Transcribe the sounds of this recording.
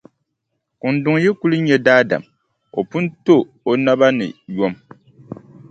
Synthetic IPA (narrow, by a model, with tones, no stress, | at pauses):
kʊ˨n̩˨˦dʊ˨ŋ˦jɛ˦ku˦lɨ˦ɲɛ˦daː˦da̰˨m | o̰˨pu˦n˦to˦ | o˨na˦ba˦nɨ̰˨jo˦m